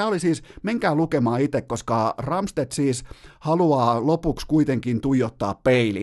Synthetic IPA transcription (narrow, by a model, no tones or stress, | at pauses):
æːolisiːsmeŋkæːlukemɑːit̪ekkoskɑrɑmst̪et̪siːshɑluɑːlopukskuit̪eŋkint̪uijot̪ːɑ̰ːppeilḭ